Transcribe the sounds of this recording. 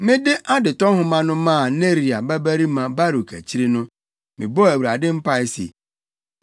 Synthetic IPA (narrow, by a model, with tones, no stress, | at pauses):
mɪ̃˦dɪ˦ʔa˦dɪ˨tɔ˦hʊ̃˦mã˦nʊ̃˦mã˦˨ne˦ɾi˨a˨ba˦bæ˦ɾi˦mã˨ba˦ɾu˨kʰæ̰˨t͡ɕʰi˦ɾi˦nʊ̃˦ | mɪ̰̃˨bɔ˦æ˨wi˨ɾa˨dɪ˦m̩˦pa˦ɛ˦sḛ˨